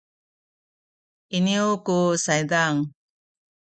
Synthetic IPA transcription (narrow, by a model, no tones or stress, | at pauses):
iniokusajd̪aŋ